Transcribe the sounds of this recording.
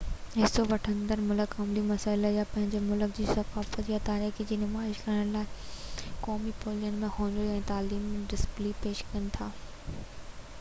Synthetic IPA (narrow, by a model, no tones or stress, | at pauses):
ɦɪsoʋɐʈʰə̃nd̪əɾmʊləkɐmlimɐsaːɪləjapɐ̃ɦɪ̃ɲd͡ʑemʊlʊkd͡ʑiːsɐkaːfət̪jat̪aːɾiːxd͡ʑiːnɪmaːɪʃkɐɾəɽ̃laːɪkɔːmipoːlijənɪ̆mẽhõːnd̪oãɛ̃ːt̪aːliːmɖɪspliːpeːʃkɐnɪ̆t̪ʰaː